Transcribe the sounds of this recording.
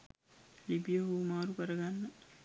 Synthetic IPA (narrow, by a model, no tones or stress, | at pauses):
libijɐɦuːmaːɾukɐɾɐɡanːɐ